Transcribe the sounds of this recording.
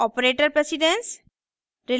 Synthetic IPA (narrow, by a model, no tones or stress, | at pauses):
ɔpɾeʈəɾpɾesiɖens | ɾi